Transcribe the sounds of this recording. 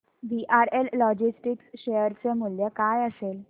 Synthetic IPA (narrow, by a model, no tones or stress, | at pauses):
ʋiʔaɾellɔd͡ʑisʈiksɕejəɾt͡semuljəkajəsel